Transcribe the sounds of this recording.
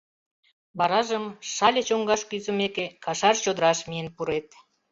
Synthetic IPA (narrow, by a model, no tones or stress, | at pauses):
bɑɾɑʒəmʃɑlʲet͡ɕoŋɡɑʃkyzəmekekɑʃɑrt͡ɕod̪əɾɑʃmiənpuɾet̪